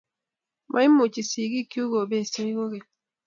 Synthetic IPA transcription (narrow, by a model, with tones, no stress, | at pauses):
mʔa˦i˦mu˨t͡ʃi˨si˨ɡi˦ki˦u˦ɡo˨be˦˨se˦ɡo˦ɡe˨